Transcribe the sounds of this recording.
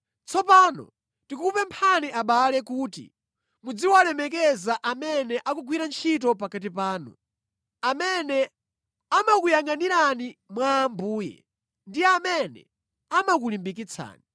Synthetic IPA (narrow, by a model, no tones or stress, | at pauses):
t͡sɔpaːnɔ̰ | tikuupɛmpʰaniʔaɓalɛkuːtḭ | mud͡ziwalɛmɛk̬ɛzaʔamɛnɛʔakuɡwiɾant͡ʃʰitɔpakat̬ipaːnṵ | amɛnɛ | amakujaŋɡaniɾanimwaːmbuːjɛ̰ | ndijɛamɛnɛ̰ | amak̬ulimbik̬it͡sʰa̰ːni